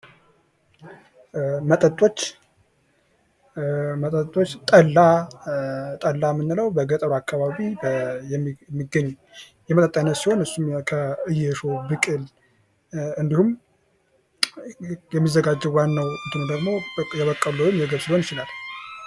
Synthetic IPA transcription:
mət̪ʼət̪ʼo̞t͡ʃː | mət̪ʼət̪ʼːot͡ʃːt̪ʼəlːa | t̪ʼəlːamːɨnːɨləwbəɡət̪ʼəɾakːaβaβibə | mːiɡəɲː | jɛmət̪ʼət̪ʼːənːət̪siho̞nɨsːumkʰəɨjɛʃobɨkʼɨl | ɨnd̪ihum | jɛmːizːəɡad͡ʒːɛwanːəwɨd̪ɨnud̪əɡmo̞jɛβəkʼːəlojɨmjɛɡəβsɨilho̞njɪt͡ʃɪlal

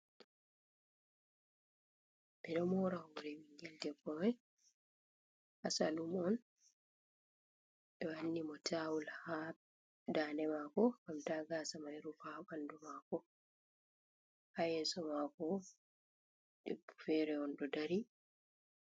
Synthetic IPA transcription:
bɛɗɔmɔɾahuɾɛmiŋɡɛldɛbɔwɛ | hasa̰lumɔn | ɓɛwanːimɔtʰawulha | daːnɛmakɔkamtaɡasamajɾufaɓandumakɔ | hajɛːsɔmakɔ | debːu̥fɛːɾɛɔnɗɔdaɾi

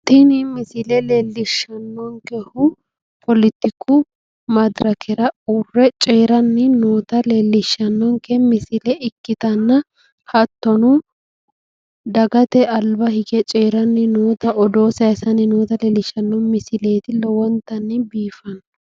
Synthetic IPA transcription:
t̪ɪnɪmɪsɪlɛleːlːɪʃːɐnːɔŋkɛhʊ | pʰɔlɪt̪ːɪkʰːʊ | mɐd̪ɾɐkʰɛɾɐurːɛt͡ʃʼeːɾɐnːɪno̞ːt̪ɐleːlːɪʃːɐnːɔŋkɛmɪsɪlɛʔɪkːɪt̪ɐnːɐ | hɐt̪ːɔnʊ | d̪ɐɡɐt̪ɛɐlbɐhɪɡɛt͡ʃʼeːɾɐnːɪnoːt̪ɐʔɔd̪o̞ːsɐɪsɐnɪnoːt̪ɐleːlːɪʃːɐnːɔmɪsɪle̞ːt̪ɪlɔwɔnt̪ːɐnːɪbiːfɐnɔ

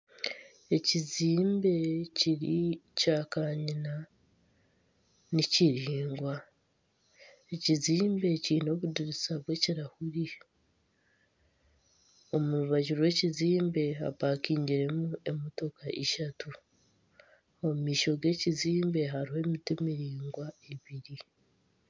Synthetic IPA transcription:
e̞ciziːmbe̞ciɾicaːkaːɲina | niciɾiːŋɡwa | eciziːmbe̞ciːno̞ːβudiɾisaβwe̞ciɾahuɾi | o̞muɾuβaɟuɾwe̞ciziːmbe̞ɦa̰βaːkiːɲɟiɾe̞mue̞moto̞kaʔeʃatu | omumiːʃo̞ɡe̞ːciziːmbe̞ɦaɾihe̞mitimiɾiːŋɡwaeβiɾi

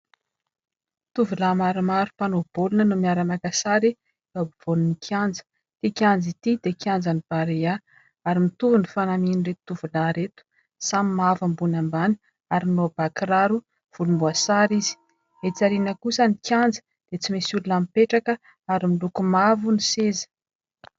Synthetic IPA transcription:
t̪uvulamaɾimaɾupanob̥olunənumiaɾamakasaɾi | vabuv̥onunikʰjand͡zə̥ | t̪ikʲjand͡zit̪id̪̥ekʰʲjand͡zanib̥aɾea | aɾimit̪uvunifanamininret̪t̪uvulaɾet̪u̥ | samimavambunamban | aɾinob̥akɾaɾu | v̥ulumbuasaɾizi̥ | et͡saɾinəkusənikʰʲjand͡zə̥ | d̪̥et͡simesulunamipeʈ͡ʂakə | aɾimilukumavunisezə̥

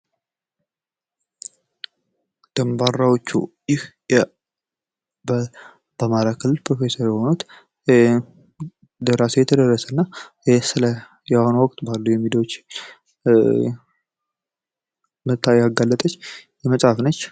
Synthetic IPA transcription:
d̪̥əmbarːawot͡ʃːṵjɪhjɛ | bə | b̥əmaɾakʰɨlːɨlpɾo̞fe̞səɾjɛho̞nut̪ | d̪əɾasəjɛt̪ʰəd̪ərːəsənːa | sɨlə | jɛho̞nəwɔkʼt̪ʼbalːujɛmːid̪əwot͡ʃː | mət̪ʰːaaɡːalːət̪ʼət͡ʃːjɛməsʼhafnət͡ʃː

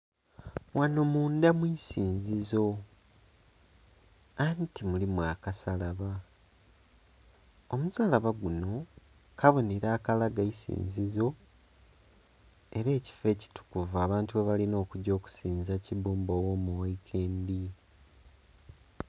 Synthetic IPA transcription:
wano̞muːndamwisiːnzizo̞ | antimulimwaːkasalaβa | omuzaːlaβaɡuno̞ | kʰaβo̞neɾaːkalaɡaisḭːnzizo̞ | e̞ɾe̞ːci̥fe̞ːci̥tu̥kuvaːβaːntuβeβalino̞ːkuɟo̞ːku̥siːnzaciβuːmbowoːmuwaikʰe̞ːndi

